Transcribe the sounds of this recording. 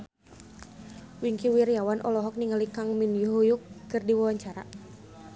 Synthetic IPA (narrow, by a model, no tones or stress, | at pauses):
wiŋkiwiɾjawanʔɔ̰lɔɦɔk̚niŋalikaŋminjuɦujukːɨrdiwawaɲt͡ʃaɾa̰